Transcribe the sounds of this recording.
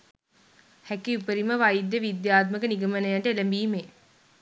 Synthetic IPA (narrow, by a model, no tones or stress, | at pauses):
hækiupəɾiməʋajd̪jəʋid̪jaːt̪məkəniɡəmənəjaʈəeləmbiːme